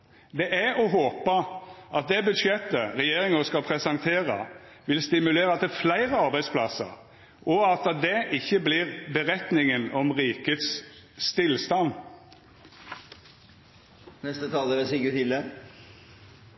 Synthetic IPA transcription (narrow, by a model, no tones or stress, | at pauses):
d̪ɛʔæɔɦoːpəɑt̪̚d̪ɛbʉd̪ʃjɛt̪ːəɾɛjeːɾɪŋəskɑlpʰɾɛsɑŋt̪ʰeːʁɑ̰ | ʋɪlst̪ɪmʉleːɾəɑt̪̚d̪ɛflæɪʁəɑɾbæɪd̪spʰlɑsə̰ɾ | ʔɔɑt̪d̪ɛʔɪçːəblɪːʁbəʁɛt̪nɪŋənɔmʁiːkət̪sst̪ɪlst̪ɑn | nɛst̪ət̪ʰɑːləɾəsikt̪ɪld̪ɛ